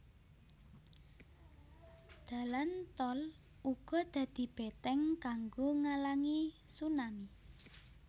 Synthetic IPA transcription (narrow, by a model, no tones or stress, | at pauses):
d̪̥ä̤lant̪ɔl | uɡ̥ɔ̤d̪̥ä̤d̪̥i̤b̥et̪ɛŋkaŋɡoŋalaŋi | sunami